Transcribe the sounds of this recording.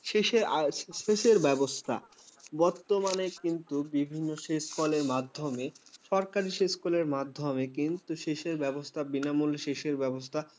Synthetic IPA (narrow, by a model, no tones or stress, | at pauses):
ʃeʃeɾaʃeʃeɾbɛbost̪ʰa̰ | bɔɾt̪ːomanekint̪ubibʱinːoʃeskɔleɾmad̪ʱːomeʃɔɾkaɾiʃeskɔleɾmad̪ʱːomekint̪uʃeʃeɾbɛbost̪ʰabinamulʃeʃeɾbɛbost̪ʰa